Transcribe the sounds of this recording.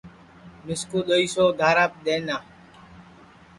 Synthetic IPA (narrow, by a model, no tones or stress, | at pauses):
mɪskuːɗ̪oiːsoːd̪ʱaːɾaːp̚ɗ̪eːnaː